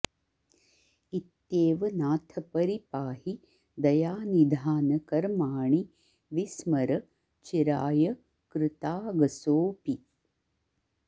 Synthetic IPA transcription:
it̪jeːʋɐnaːt̪ʰɐpɐɾipaːhi | d̪ɐjaːnid̪ʱaːnɐkɐɾmaːɳi | ʋismɐɾɐ | t͡ʃiɾaːjɐ | kɾɪt̪aːɡɐsoːpi

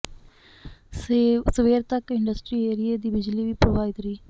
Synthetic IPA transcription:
səʋeːɾt̪əkɪ̃ɳɖəsʈɾiːeːɾɪjeːd̪iːbɪd͡ʒliːʋiːpɾoːʋaːɪd̪ɾiː

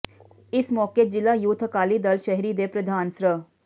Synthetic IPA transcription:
ɪsmɔːked͡ʒɪlaːjut̪ʰəkaːliːd̪əlʃəɦɾiːd̪epɾəd̪ʱaːnsɾə

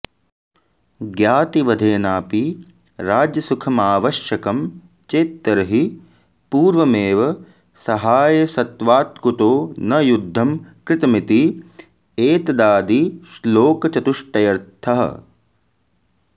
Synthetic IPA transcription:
ɡjaːt̪iʋɐd̪ʱeːnaːpi | ɾaːd͡ʒjɐsukʰɐmaːʋɐʃjɐkɐm | t͡ʃeːt̪ːɐɾɐɦi | puːɾʋɐmeːʋɐ | sɐɦaːjɐsɐt̪ʋaːt̪kut̪oːnɐjud̪ʱːɐmkɾɪt̪ɐmit̪i | eːt̪ɐd̪aːd̪isloːkɐt͡ʃɐt̪uʂʈɐjɐɾt̪ʰɐɦɐ̰

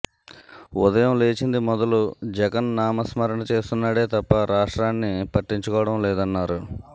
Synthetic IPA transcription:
ud̪ɐjɐmle̞ːt͡ʃind̪imɔd̪ɐlud͡ʒɛɡɐnːaːmɐsmɐɾɐɳɐt͡ʃe̞ːst̪unːaːɽeːt̪ɐpːɐɾaːʂʈɾaːnːipɐʈːiɲt͡ʃukɔːʋɐɽɐmlɛːd̪ɐnːaːɾu

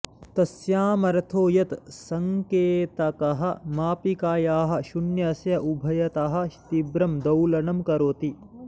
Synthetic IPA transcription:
t̪ɐsjaːmɐɾɐt̪ʰoːjɐt̪sɐŋkeːt̪ɐkɐɦɐ̆maːpikaːjaːɦɐ̆ʃuɳjɐsjɐʔubʱɐjɐt̪aːɦɐ̆ʃt̪ibɾɐmd̪ɐwlɐnɐmkɐɾoːt̪i

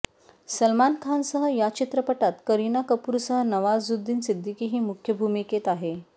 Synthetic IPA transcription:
səlmankʰansəɦəjat͡ɕit̪ɾəpəʈat̪kəɾinakəpuːɾsəɦənəʋazːud̪ːiːnsid̪ʱːikiɦiːmukʰjəbʱumiket̪aɦe

